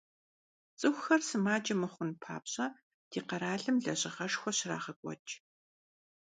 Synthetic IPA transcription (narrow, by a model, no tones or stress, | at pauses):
t͡sʼɨxʷxɐrsɨmaːd͡ʒʼɐmɨχʷʊnpʰa̰ːpɕʼɐ | d̥iːqɐɾaːɮɨmɮɐɕʼɪʁɐʂxʷɔɕɪra̰ːʁɐkʷʼɔ̰t͡ʃʼ